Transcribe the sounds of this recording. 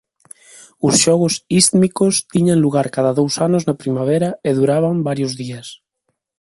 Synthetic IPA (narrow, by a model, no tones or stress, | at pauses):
ʊsʃɔɣ̞osist̪mikost̪iɲaŋluɣaɾkaðaðowsanoznapɾimaβ̞ɛɾaeðuɾaβ̞ambaɾjozðias